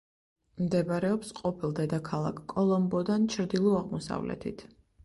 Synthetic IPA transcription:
md̪ɛbɾɛɔpsqʼɔpʰilˠd̪ɛd̪akʰalˠa̰kʰkʼːɔlˠɔmbɔd̪ant͡ʃʰɾd̪ilˠɔaʁmɔsa̰vlɛ̰t̪ʰḭt̪ʰ

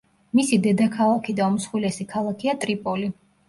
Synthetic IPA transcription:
misid̪ɛd̪akʰalˠakʰid̪aɔmsχwilɛsikʰalˠakʰiat̪ʼɾipʼɔli

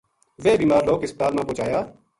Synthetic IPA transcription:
ʋeːbiːmaːɾloːkɪsbət̪aːlmãːpõːt͡ʃaːjaː

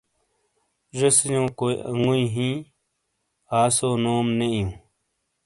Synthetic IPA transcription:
ʐɐsjõːkoːiɐ̰ŋɡuĩɦĩː | aːsoːnoːmneijũː

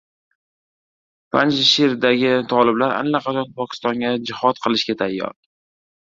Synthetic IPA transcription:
pʰand͡ʒɪʃiɾd̪aɡʲɪt̪ʰɒlɪblaɾa̰nlːaqʰɑt͡ʃʰɒnpʰɒkʲʰɪ̥st̪ɒŋɡʲad͡ʒɪhɒt̪qʰɨlˠɪʃɡʲat̪ʰajːɒ̰ɾ

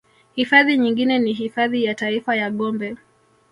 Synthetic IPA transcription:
hifaðiɲiŋɡinɛniɦifaðijataifajaɠɔmbɛ

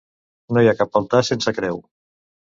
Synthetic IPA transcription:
nojakapfalˠt̪asensəkɾɛw

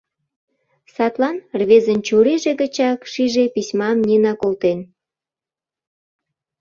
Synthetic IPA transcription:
sɑt̪lɑnrβezənt͡ɕuɾeʒeɣə̆t͡ɕɑkʃiʒepisʲmɑmnʲenɑkolt̪en

